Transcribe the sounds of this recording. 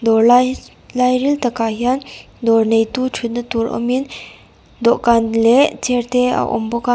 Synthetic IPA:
d̪ɔɾl | lajɾilt̪əkaɦjan | d̪ɔɾnejt̪ut͡ʃʰut̪̚nət̪uɾɔ̰min | d̪oʔkanleʔt͡seɾt̪ea̰wʔo̰mboka

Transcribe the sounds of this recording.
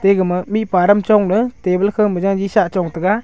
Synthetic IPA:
teɡɯmɯmit̚paɾəmt͡ʃɔŋnɯtebəlkʰɯmɯzaŋd͡ʒisaʔt͡ʃɔŋtɯɡa

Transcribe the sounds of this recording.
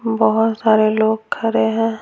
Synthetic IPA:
bɔɦʊt̪saːɾeloːɡ̚kʰəɾeɦɛ̃ː

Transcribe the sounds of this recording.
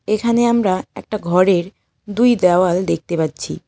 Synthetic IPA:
ekʰaneamɾaɛk̚ʈaɡʱɔɾeɾ | d̪ujd̪ɛoald̪ek̚t̪epatːɕʰḭ

